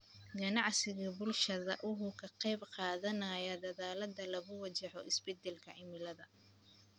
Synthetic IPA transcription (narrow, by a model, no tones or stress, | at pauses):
ɡɐnɑʕsɪɣɐbʊlʃɐðɐ̰ʔʊɦʊkʰɐqɛjbqɑːðɐnɐjɐd̪ɐðaːlɐd̪ɐlɐɣʊwɐt͡ʃɛħɔʔɪsbɛd̪ɛlkʰɐɪmɪlɐðɐ